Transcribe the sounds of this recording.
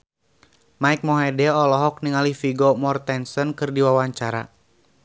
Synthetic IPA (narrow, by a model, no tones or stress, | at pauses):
maik̚mɔɦɛdɛɔlɔɦɔk̚niŋalifiɡɔmɔrt̪ɛnsɔnkɨrdiwawaɲt͡ʃaɾa̰